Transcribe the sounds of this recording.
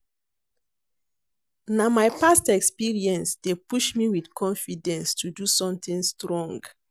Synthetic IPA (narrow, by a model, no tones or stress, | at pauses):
namajpastɛkspiɹiɛ̃nsdepuʃmiwidkʰɔ̃nfidɛ̃nstʰudusɔ̃mt̪ĩŋstɹɔ̃ŋɡ